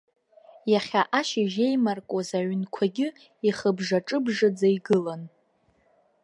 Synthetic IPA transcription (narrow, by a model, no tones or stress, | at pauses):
jaχʲaʔaʃɪʒejmarkʼazaɥnkʷʰaɡʲɪ | iχəbʐaʈ͡ʂʼɨbʐad͡zaiɡɨlan